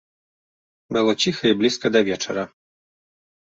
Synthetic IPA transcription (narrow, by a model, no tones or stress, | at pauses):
mɛlˠɔt͡ɕixɐiblʲiskɐd̪ɐvʲjɛt͡ʂɛ̰ɾɐ